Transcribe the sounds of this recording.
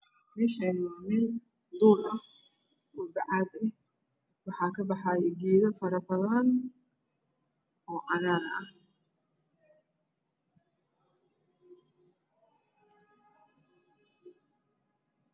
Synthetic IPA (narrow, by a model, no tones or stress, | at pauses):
mɪʃɛnmamɪn | d̪uːlɐ | wʊbɑʕɑːd̪ɛh | wɑħɑːkʰɐbɑħɑːjɛɡiːðɐfɐɾɐbɐðɐn | ɔːʕɑnaːɾɐɐh